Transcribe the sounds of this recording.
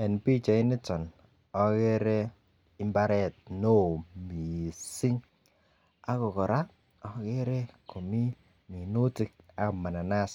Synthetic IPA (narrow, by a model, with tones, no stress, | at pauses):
ɛ˨npi˦t͡ʃɔ˨ɪ˦nɪ˦tɔ˨n | ɔ˦ke˦ɾe˦ | ɪ˦mba˦ɾɛ˦˨t̚no˦˨mi˨si˦ŋ | a˦kɔ˨kɔ˨ɾa˦ | ɔ˦ke˦ɾe˦ko˨mi˦ | mi˨nu˦ti˦k̚a˦kma˨na˨na˦s